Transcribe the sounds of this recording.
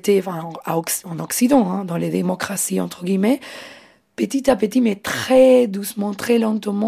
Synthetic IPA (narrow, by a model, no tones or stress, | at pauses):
t̪eɑ̃fɛ̃ɑ̃aɔksɑ̃nɔksid̪ɑ̃ɛ̃d̪ɑ̃led̪emɔkχasiɑ̃t̪χəɡʲimɛ | pət̪it̪apət̪imɛt̪χɛd̪usmɑ̃t̪χɛlɑ̃t̪mɑ̃